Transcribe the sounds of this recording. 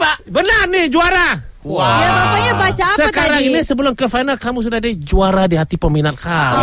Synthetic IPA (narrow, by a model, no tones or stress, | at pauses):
pabənarnɪhd͡ʒuaɾa | jaaajabat͡ʃassəkaɾaŋinisəbəlʊmkəfajnalkamus̬udahdad͡ʒuaɾadiɦat̪ipəminat̪̚ka